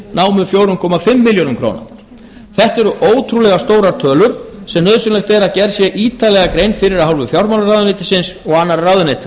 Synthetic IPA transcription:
naːwmʏfjoːwɾʏnkʰɔːmafɪmːɪljownʏmkʰɾo̰wna̰ | θɛht̪ɛɾʏʔoːwt̪ʰɾulɛɣast̪oːwɾaɾ̥t̪ʰœːlʏɾ̥sɛmnœðsʏnlɛxt̪ɛɾaðcɛɾsjɛʔiːt̪alɛɣakɾejnfɪɾɪɾahɦawlvʏfjawɾmawlarawðʏnejt̪ɪ̥sɪnsɔɣaːnːaɾraðʏnejt̪ɪ

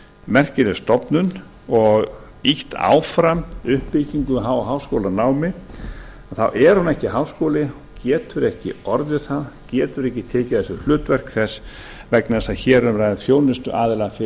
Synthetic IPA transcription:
mɛr̥cɪɾɪ̥st̪ɔpnʏn | ɔɣ | iht̪a̰ːwfɾamʏhpːiciŋkʏɦawɦawskowlanaːwmɪ | aθawʔɛɾ̥hunɛhcɪɦaːwskowlɪɔcɛːt̪ʏɾɛhcɪ̰ɔɾðɪθaðcɛːt̪ʏɾɛhcɪt̪ʰɛːcɪθɛsʏlʏːt̪vɛr̥kʰθɛs | vɛknɛsaçɛːɾʏɾaːjðɪfjoːwnɪst̪ʏʔaːðɪlafɪ

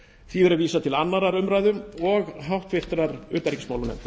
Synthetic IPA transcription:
θvivɛɾʏaviːsat̪ʰɪlanːaɾaɾʏmɾaːjðʏɔɣɦawht̪fɪht̪ɾaɾʏːt̪aɾicɪsmaːwlʏnɛ̰n

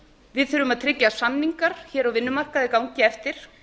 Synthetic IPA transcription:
vɪðθʏɾʏmaðt̪ʰɾɪcjasamniŋkaɾ̥çɛːɾawvɪnːʏmar̥kaðɪkawɲcɪɛft̪ɪɾ̥

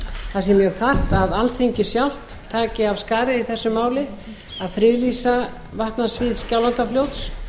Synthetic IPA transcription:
θasɛmjœɣθar̥t̪aðalt̪θeɲcɪsjawl̥t̪ʰːaːcɪavskaːɾɪiθɛsːʏmːaːwlɪ | aðfɾɪlisa | vaht̪nasvɪðscawlant̪afljowt̪s

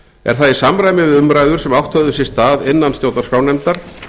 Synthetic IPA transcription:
ɛ̰ɾ̥θaðisamɾajmɪvɪðʏmɾaːjðʏɾ̥sɛmawht̪hœðʏsjɪ̥st̪aːðɪnːanst̪joːwt̪naɾskawnɛmt̪aɾ̥

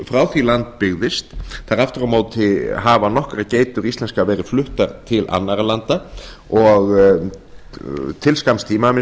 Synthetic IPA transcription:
fɾaːwθilant̪̚pɪɣðɪst̪θaɾaft̪ʏɾawmaːwtt̪ʰɪɦavanɔhkɾaceːjt̪ʏɾist̪lɛnskavɛːɾɪflʏht̪aɾt̪ʰɪlʔa̰nːaɾalant̪a | ɔɣ | t̪ʰɪlskamst̪ʰiːmamɪ

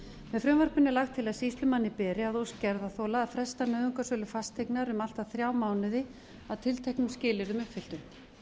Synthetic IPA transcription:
mɛðfɾʏmvaɾ̥pʏnʏlaxt̪ʰːɪlaðsist̪lʏmanːɪpɛːɾɪaðowscɛɾðaθowlaːðfɾɛst̪anœːðʏŋkasœːlʏfast̪eknaɾʏmal̥t̪aθɾjaːwmaːwnɪðɪ | aðt̪ʰɪlt̪ʰɛjhknʏmscɪːlɪɾʏmʏpfɪlt̪ʏ

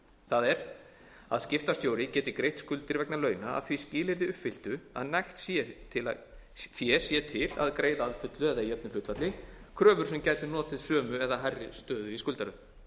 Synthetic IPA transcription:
θaðɛɾ | a̰ðscɪft̪ast̪joːwɾɪcɛːt̪ɪkɾejht̪skʏlt̪ɪɾvɛknalœːɥnaa̰ðθviscɪːlɪɾðɪʏhpfɪl̥t̪ʏa̰ðnajxt̪sɛt̪ʰɪla | sjɛsjɛt̪ʰɪla̰ðkɾeːjðaːðfʏt̪lʏɛðajɛpnɪlʏht̪fat̪lɪkʰɾœːvʏɾ̥sɛmcaːjt̪ɪnɔːt̪ɪðsœːmʏɛðaɦarːɪst̪œːðʏiskʏlt̪aɾʏð

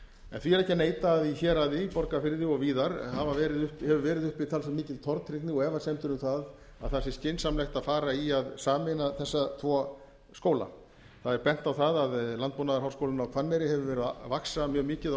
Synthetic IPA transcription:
ɛ̰nθviɛɾɛhcɪneːjt̪aːðiçɛːɾaðipɔɾkafɪɾðɪɔɣviːðaɾhavavɛːɾɪðʏhphɛvʏvɛːɾɪðʏhpɪt̪ʰalsɛmːiːcɪlt̪ʰɔɾt̪ɾɪknɪɔɣɛvasɛmt̪ʏɾʏmθað | a̰ðθasɪ̥scɪnsamlɛxt̪aðfaːɾaiaðsaːmɪnaθɛsːat̪ʰvɔː | skoːwla̰ | θaðɛɾpɛn̥t̪awθaðaðlant̪̚ponaðaɾɦawskowlɪnawkʰvanːɛɾɪɦɛvʏvɛːɾʏðvaksamjœːɣmiːcɪð

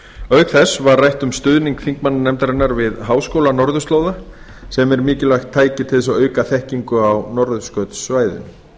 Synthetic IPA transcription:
œɥɣθɛsvaɾrajht̪ʏmst̪ʏðniŋkθiŋkmanːnɛmt̪aɾɪnːaɾvɪðɦaːwskowlanɔɾðʏst̪loːwða | sɛmɛɾmɪːcɪlajxt̪ʰːaːjcɪt̪ʰɪlðɛsawœːɥkaθɛhciŋkʏawnɔɾðʏskœt̪sːvaːjðʏ̰m

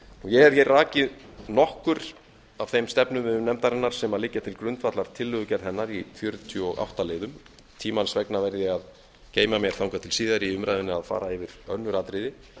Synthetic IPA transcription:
ujɛhɛɾçɛrraːcɪðnɔhkʏɾ̥ | av̥θejmst̪ɛpnʏmmnɛmt̪aɾɛnːaɾ̥sɛmaðlɪcːat̪ʰɪlkɾʏnt̪vat̪laɾ̥t̪ʰɪlːʏɣʏcɛɾθɛnːaɾifjœɾt̪ʰjɔɣa̰wht̪aleːðʏm | t̪ʰiːmansvɛknavɛɾðɪað | ceːjmamjɛɾ̥θawŋkat̪ʰɪlsiːðaɾiʏmɾajðɪnɪaðfa̰ːɾaɪvɪɾ̥œ̰nːʏɾaːt̪ɾɪðɪ

